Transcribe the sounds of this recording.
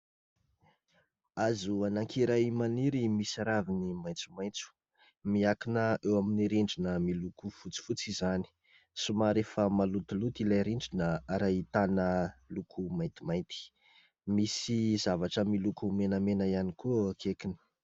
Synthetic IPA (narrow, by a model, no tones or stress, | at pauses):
azuanaŋkʰiɾajmaniɾimisaɾavinimajnt͡su̥majnt͡su̥ | miakinəewaminiɾiɳɖ͡ʐinəmilukufut͡si̥fut͡sizani̥ | sumaɾefəmalut̪ilut̪ilajɾiɳɖ͡ʐinəaɾajit̪anəlukʰumaj̃nt̪imajnt̪i̥ | misizavaʈ͡ʂəmilukumenəmenəianikukʰekini̥